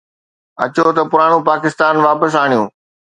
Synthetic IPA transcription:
ɐ̰t͡ɕot̪ɐpʊɾaːɽ̃ũpaːkɪst̪aːnʋaːpəs̬aːɽ̃ijũː

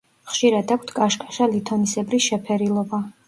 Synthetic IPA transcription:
χʃiɾad̪ak̚ʷʰt̪ʰkʼaʃkʼḁʃalit̪ʰɔnisɛbɾisʃɛpʰɛɾilˠɔba

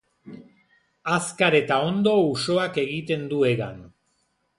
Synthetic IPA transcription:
askaɾe̞t̪ao̞nd̪o̞uso̞ake̞ɣit̪e̞nd̪ue̞ɣan

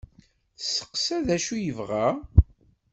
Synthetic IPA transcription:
θsə̥qsæðæʃujəvʁa

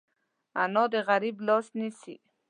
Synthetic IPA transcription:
anɔd̪əɣaɾiblɑsnisḭ

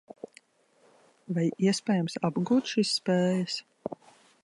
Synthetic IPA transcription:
vajiɛspʲɛːjamsabɡuːt̪ʃisːpeːjəs

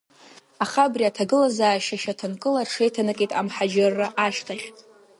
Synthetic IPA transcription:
aχabriatʰaɡɨlazaːʃaʃatʰɨnkʼɨlarʈ͡ʂʰe̞jtʰanɨkʼetʼamħad͡ʒarːaʔaʃtʰaχʲʼ

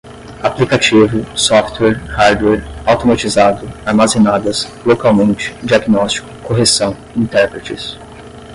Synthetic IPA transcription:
aplikat͡ʃivʊsɔft̪wɛɾhaɾd̪wɛɾawt̪omat͡ʃizad̪ʊaɾmazẽnad̪ɐs | lokawmẽnt͡ʃɪ̥d͡ʒiaɡnɔst͡ʃi̥kʊ̥koɦesɐ̃w̃ | ĩnt̪ɛɾpɾet͡ʃɪs

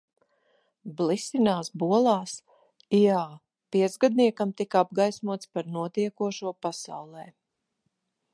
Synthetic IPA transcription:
blisinaːsbuɔlˠaːs | ijaː | piɛt̪zɡad̪niɛkamt̪ikab̚ɡajsmuɔt̪spaɾnuɔt̪iɛkuɔʃuɔpasa̰wlˠɛː

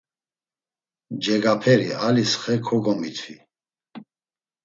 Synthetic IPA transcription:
d͡ʒɛɡapʰɛɾialisχɛkʰɔɡɔmit̪ʰi

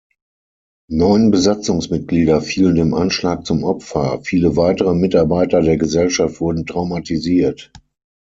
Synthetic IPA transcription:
nɔʏənbəzat͡sʊŋsmɪt̚ɡ̥liːdɐfiːləndeːmʔanʃlaːk̚t͡sʊmʔɔpfɐfiːləvaɪtəʁəmɪtaɐbaɪtɐdeːɐɡəzɛlʃaftv̥ʊɐdn̩tʁ̥aʊmatiziːɐt

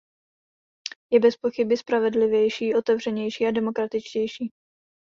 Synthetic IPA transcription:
jɛbɛspo̞xɪbɪspɾavɛdlɪvjɛjʃiːʔo̞t̪ɛvr̝ɛɲɛjʃiːadɛmo̞kɾat̪ɪt͡ʃcɛjʃiː

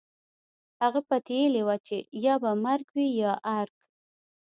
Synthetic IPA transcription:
haɣapat̪ejelewat͡ʃejɑbamaɾɡwijɑʔaɾɡ

